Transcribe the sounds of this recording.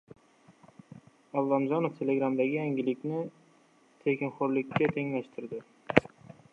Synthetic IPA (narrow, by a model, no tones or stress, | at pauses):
alˠːamzɒnoft̪ʰe̞le̞ɡɾamd̪aɡʲɪjaŋɡʲɪlɪkʲnɪ | t̪ʰe̞kʲɪnχoɾlɪkʲːat̪ʰe̞ŋlaʃt̪ʰɪɾd̪ɪ